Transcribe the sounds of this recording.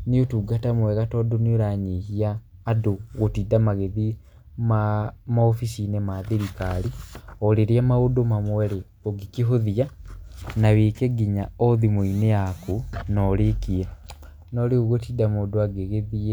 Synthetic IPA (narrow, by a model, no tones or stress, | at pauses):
niotuːɡatamweɣatodonioɾaɲihiaːduɣotiːdamaɣeði | mamaofisinemaðiɾikalioleɾiamaudomamoweɾe | oɡikiɦoðia | naβiːkeɡiɲaoðimuineakunolikie | noliɣuɣotiːdamodoaɡeɣeðie